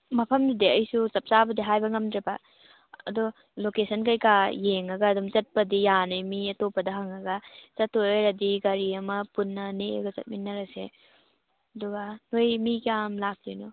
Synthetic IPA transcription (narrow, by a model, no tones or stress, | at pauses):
mɐpʰɐmdidiɐjsut͡ʃɐp̚t͡ʃabɐdiɦajbɐŋɐmdɾibɐ | ɐ̰dɔ | lokesʰɐnkɐjkajeŋɐɡɐːdumt͡ʃɐt̚pɐdijanɯjmiɐtopːɐdɐɦaŋɐɡɐt͡ʃɐtʰːoɾɐdiɡɐɾiɐmɐpunːɐneḛɡɐt͡ʃɐ̰t̚minːɐɾɐsḛ | ɐduɡɐnojmikijamlak̚tojnɔ